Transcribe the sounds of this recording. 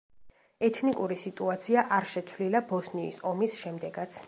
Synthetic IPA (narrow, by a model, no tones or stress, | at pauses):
ɛt̪ʰnikʼuɾisit̪ʼuat̪sʰiaʔaɾʃɛt̪sʰvlilabɔsnḭːsɔmisʃɛmd̪ɛɡat̪sʰ